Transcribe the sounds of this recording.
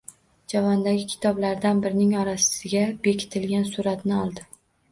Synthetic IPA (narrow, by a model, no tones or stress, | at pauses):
d͡ʒavɒnd̪aɡʲɪkʲʰɪ̥t̪ʰɒblaɾd̪anbɪɾɪnɪŋɒɾasɪɡʲabe̞kʲʰɪ̥t̪ʰɪlɡʲansuɾat̪nɪɒlˠd̪ɪ